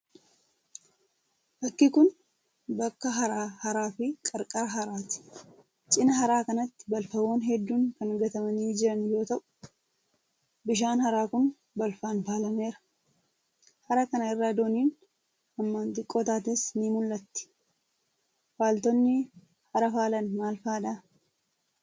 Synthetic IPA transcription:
bɐkːɪkʊn | bɐkːɐɦɐɾaːhɐɾaːfɪkʼɐɾkʼɐɾɐɦɐɾaːt̪ɪ̥ | t͡ʃʼɪnɐɦɐɾaːkɐnɐt̪ːɪ̥bɐlfɐwoːnɦɛd̪ːuːŋkɐnɐɡɐt̪ɐmɐniːd͡ʒɪɾɐnjo̞ːt̪ɐʔʊ̥ | bɪʃ̬aːnhɐɾaːkʊn | bɐlfaːnfaːlɐneːɾɐ̥ | hɐɾakɐnɐɪrːaːd̪oːniːn | ɐmːaːnt̪ɪkʼːoːt̪aːt̪ɛsnimʊlːɐt̪ːɪ̥ | faːlt̪ɔnːɪ | hɐɾɐfaːlɐnmaːlfaːᶑaː

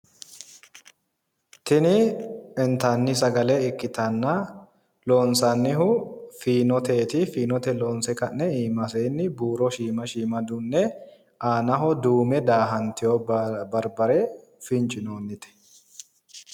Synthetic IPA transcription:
t̪ɪnɪɛnt̪ɐnːɪsɐɡɐlɛɪkːɪt̪ɐnːɐ | loːnsɐnːɪɦʊfiːnɔt̪eːt̪ɪfiːnɔt̪ɛloːnsɛkɐnːɛiːmɐseːnːɪbuːɾɔʃiːmɐʃiːmɐd̪ʊnːɛ | aːnɐɦɔd̪uːmɛd̪aːɦɐnt̪ɪjobɐɾbɐɾɛ | fɪnt͡ʃʼɪnoːnːɪt̪ɛ̥

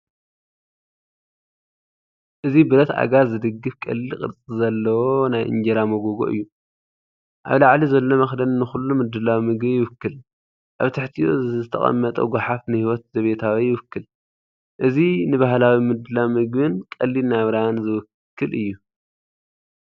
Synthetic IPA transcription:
ʔɨzibɨɾɐt̪a̰ɡazɨd̪ɨɡːɨfkʼɐ̰lːikʼɨ̰ɾt͡sʼizɐlːɐwonajʔɨ̰nd͡ʒɐɾamoɡoɡo̞̰ʔɨ̰jːu | ʔa̰βlaʕlizɐlːo̞mɐxd̪ɐnnɨxulːumɨd̪ɨlawimɨɡbɨjɪwɨkːɨl | ʔa̰βt̪ʰɐħt̪ʰijo̰zɨt̪ʰɐ̰χʼɐ̰mːɐt̪ʼɐ̰ɡʷaħafnɨhiwɔt̪̚z̥ɐβet̪ʰawijɪwɨkːɨl | ʔɨzinɨβaɦlawimɨd̪ɨlawimɨɡβɨnkʼɐlːinaβɾanzɨwɨ | kʰːɨlʔɨ̰jːu

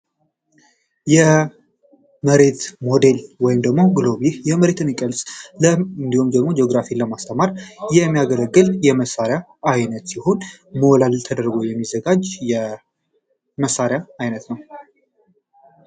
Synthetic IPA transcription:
jɛ | məɾe̞t̪mo̞d̪e̞lwɔjɪmd̪əɡmo̞ɡloβihjɛməɾe̞t̪ɨnikʼəlsʼləɨnd̪ihumd̪əɡmo̞d͡ʒeoɡɾafiləmast̪ʰəmaɾjɛmːijaɡələɡːɨljɛməsːaɾja | ajnət̪siho̞nmowlalt̪ʰəd̪əɾɡowjɛmːizəɡad͡ʒjɛ | məsːaɾjaajnət̪nəw

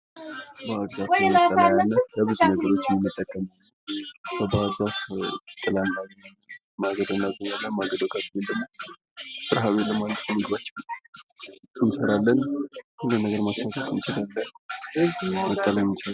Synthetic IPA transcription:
baabzafəəlajanːabəbɨzunəɡəɾo̞t͡ʃːɪnɨmːɨt̪ʼːəkʼːəmnː | kəbəabzafɨt̪ʼːɨlanːa | maɡəd̪ɨnːazəɲːalːamaɡəd̪okʼat̪mɨnd̪əmːo | tʼɨɾɦaβeləmanːt̪ʼmɨɡɨβat͡ʃːɛw | ɨnsəɾalːənhɨzɨnəɡəɾmasakʼət̪ʼɨnt͡ʃɪd̪alːən | mət̪ʼːalajmt͡ʃal

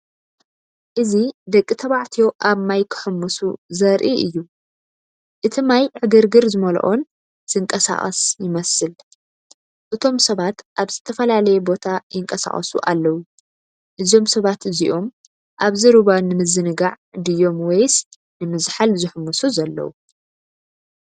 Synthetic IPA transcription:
ʔɨzid̪ɐkʼːit̪ʰɐβaʕt̪ʰijo̞ʔaβmajkʰɨ̥ħɨmːusuzɐɾʔiʔɨjːu | ʔɨt̪ʰimajʕɨɡɨɾɡɨɾzɨmɐl̰ʔon | z̥ɨŋkʼɐsa̰χʼɐ̰sjɪmɐsɨl | ʔɨt̪ʰo̞msɐβat̪ʔaβz̥ɨt̪ʰɐfɐlalɐjɛbo̞t̪ʰajɪŋkʼɐsa̰χʼɐ̰sṵʔa̰lːɐwu | ʔɨzio̞msɐβat̪ɨziʔo̞m | ʔaβzɨɾuβanɨmɨzɨnɨɡaʕ | d̪ɨjːo̞mwɔjs | nɨmɨzħalzɨħɨmːusuzɐlːɐ̰wu

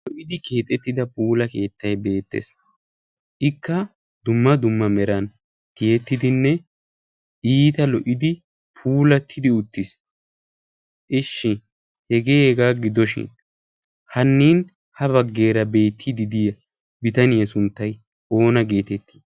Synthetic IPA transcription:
lɔʔɪd̪ɪke̞ːt̪ʼɛt̪ːɪd̪ɐpuːlɐke̞ːt̪ːɐjbe̞ːt̪ːḛs | ʔɪkːɐ | d̪ʊmːɐd̪ʊmːɐmɛɾɐn | t̪ɪjɛt̪ːɪd̪ɪnːɛ | ʔiːt̪ɐlɔʔɪd̪ɪ | pʰuːlɐt̪ʰːɪd̪ɪʊt̪ːɪs | ʔɪʃːɪ | hɛɡeːɛɡaːɡɪd̪ɔʃɪ̰n | hɐnːiːn | hɐbɐɡːe̞ːɾɐbe̞ːt̪ʰːɪd̪ɪd̪ijɐ | bɪt̪ɐnɪjɐsʊnt̪ːɐj | o̞ːnɐɡe̞ːt̪ɛt̪ːi̥

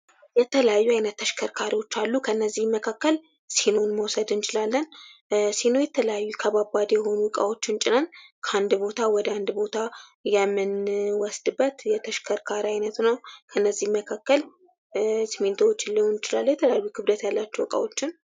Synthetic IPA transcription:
jɛt̪ʰələjajːuajnət̪ːəʃkʰəɾkʰaɾiwo̞t͡ʃːalːukʰənːəzːihməkʰakːəl | senonməwsəd̪ɨnt͡ʃʰʼɪlalːənsenojɛt̪ʰələjajːukʰəbabad̪jɛho̞nuwɨkʼa̰wo̞t͡ʃːɪnt͡ʃʼɪnənkʰand̪bo̞t̪ʰawɔd̪əand̪bo̞t̪ʰajɛmːɨnwɔsd̪ɨbːət̪jɛt̪ʰəʃkʰəɾkʰaɾiajnət̪nəwkʰəɨnːəzːihməkʰakːəl | sɨment̪ʰawot͡ʃːɪlːiwunɨt͡ʃɪlalːəwjɛt̪ʰələjajːukʰɨβd̪ət̪jalːat͡ʃːɛwɨkʼa̰wo̞t͡ʃːɪn

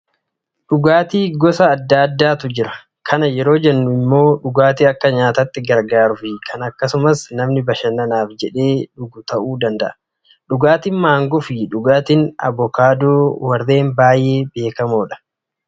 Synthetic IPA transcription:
ɗʊɡaːt̪iːɡɔsɐːd̪ːaːd̪ːaːt̪ʊd͡ʒɪɾɐ | kʰɐnɐjɛɾo̞ːd͡ʒɛnːʊɪmːo̞ːᶑʊɡaːt̪iɐkːɐɲaːt̪ɐt̪ːɪɡɐɾɡaːɾʊfɪkʰɐnɐkːɐsʊmɐsnɐmnɪbɐʃɐnɐnaːfd͡ʒɛᶑe̞ːᶑʊɡʊt̪ɐʔuːd̪ɐnd̪ɐʔɐ̥ | ɗʊɡaːt̪ɪnmaːŋɡɔfɪᶑʊɡaːt̪ɪːnɐ̰bɔkaːd̪oːwɐɾe̞ːmbaːjʔe̞ːbe̞ːkɐmoːᶑɐ̥

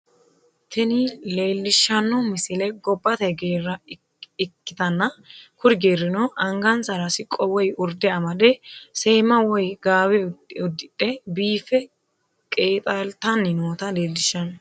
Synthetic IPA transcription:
t̪ɛnɪle̞ːlːɪʃːɐnːɔmɪsɪlɛɡɔbːɐt̪ɛɡeːrːɐ | ɪkːɪt̪ɐnːɐkʊɾɡe̞ːrɪnɔʔɐŋɡɐnsɐɾɐsɪkʼɔwɔjʊɾd̪ɛɐmɐd̪ɛse̞ːmɐwɔjɡaːwɛʊd̪ɪᶑɛbiːfɛ | kʼe̞ːt̪ʼalt̪ɐnːɪnoːt̪ɐle̞ːlːɪʃːɐnːɔ

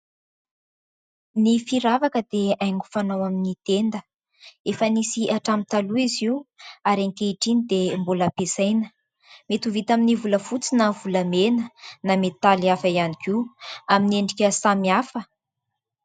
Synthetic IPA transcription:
nifiɾavakəd̪eajŋɡu̥fanawaminit̪end̪ə | efənisiʔaʈ͡ʂamit̪aluiziuaɾeŋkeiʈ͡ʂinid̪embuləpesajnə | met̪uvit̪aminivuləfut͡sinəvuləmenənamet̪aliafaianikʲiuamineɳɖ͡ʐikʲəsamiafə

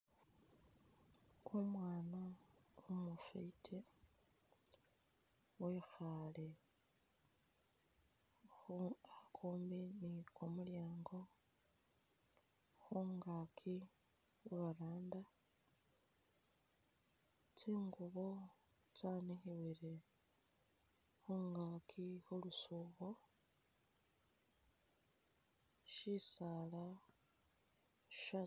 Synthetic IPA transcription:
omwaːnaumufḛitʰe | wexale | xuakʰuːmbinikomuljaːŋɡo | xuŋɡakʰi | xuβaɾaːnda | tʰiŋɡuβo | tanihiwiɾe | xuŋɡaːkʰihulusuβo | ʃisaːla | ʃa

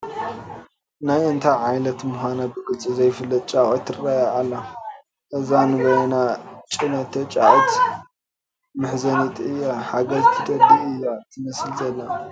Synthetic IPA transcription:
najɨnt̪ʰaʕajlɐt̪mʊxʷanabɨɡɨlt͡sʼizɐjfɨlːɐt̪̚t͡ʃʼaʔʼot̪ʰːɨɾajaːlːɐ | ʔɨzanɨɡojɐnat͡ʃʼinɐt̪ʰːɐt͡ʃʼaʔʼot̪ | mɨħzɐnit̪ʰʼɨjːaħaɡɐzt̪ʰɨd̪ɐbiɨjːat̪ʰɨmɐsɨlzɐlːa

